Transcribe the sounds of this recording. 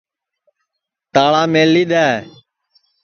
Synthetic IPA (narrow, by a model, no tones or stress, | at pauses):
t̪aːɭaːmeːlːiːɗ̪aːe